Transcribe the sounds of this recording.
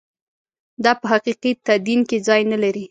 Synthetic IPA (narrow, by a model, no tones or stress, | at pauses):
d̪ɑpəɦaqiqit̪ad̪inked͡zɑjnalaɾi